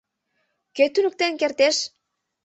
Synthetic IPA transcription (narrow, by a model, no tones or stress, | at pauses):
køt̪ynək̚t̪enkert̪eʃ